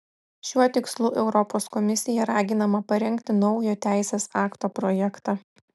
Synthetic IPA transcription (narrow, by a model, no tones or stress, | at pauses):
ʃʲuɔt̪ʲɪkslˠuːʔɛʊɾɔpoːskɔmʲɪsʲɪjɛɾɑːɡʲɪnɐmɐpɐɾʲɛŋʲkt̪ʲɪnɒʊjoːt̪ʲæˑɪsʲeːsɑːkt̪oːpɾɔjɛkt̪ɑː